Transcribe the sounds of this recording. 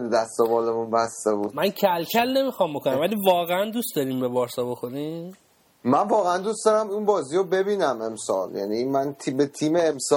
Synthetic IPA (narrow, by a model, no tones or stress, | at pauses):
d̪æst̪obɒːlemunbæst̪ebud̪mæncʰælcʲʰælne̞mixɒmbo̞kʰonæmvælivɒːɣeænd̪ust̪d̪ɒɾiːmbe̞bɒːɾsɒːbo̞xo̞ɾiːm | mænvɒːɣeænd̪ustd̪ɒɾæminbɒːziɾobe̞biːnæme̞msɒ̰ːljæ̰niːmænt̪ʰibet̪ʰiːmeːms